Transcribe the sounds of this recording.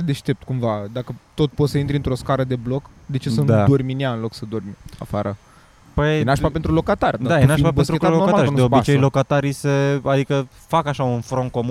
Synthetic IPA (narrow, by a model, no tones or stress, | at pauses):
d̪e̞ʃt̪e̞p̚t̪̚kumvad̪akət̪o̞t̪po̞t̪səint̪ɾʲiɨnt̪ɾo̞skaɾəd̪e̞blo̞k | d̪e̞t͡ʃe̞sənd̪uad̪orminiaɨnlo̞ksəd̪o̞rmia̰faɾə | pəjenaʃpape̞nt̪ɾulo̞kat̪arʲd̪d̪ajenaʃpabet̪ɾet̪aokat̪aɾnd̪eobit͡ʃejlokat̪aɾijsəad̪ikə | fakaʃaunfɾonko̞mu